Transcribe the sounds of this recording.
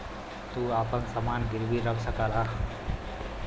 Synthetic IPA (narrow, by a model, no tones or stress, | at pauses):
t̪uapənsamanɡiɾbiɾʌksʌkala